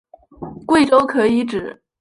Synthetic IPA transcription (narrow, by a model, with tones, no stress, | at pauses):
kwe˥˩ɪʈ͡ʂo˥ʊkʰɤ˧˥i˧˥ʈ͡ʂɻ̩˨˩˦